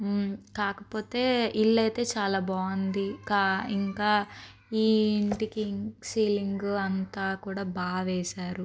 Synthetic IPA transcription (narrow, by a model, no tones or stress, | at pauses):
kaːkɐpo̞ːt̪e̞ːilːɐjt̪e̞ːt͡ʃaːlaːbaːnd̪ikaːiŋkaː | iːɳʈikiŋsiːliŋɡɐnt̪aːkuːɽaːbaːʋɛːʃaːɾu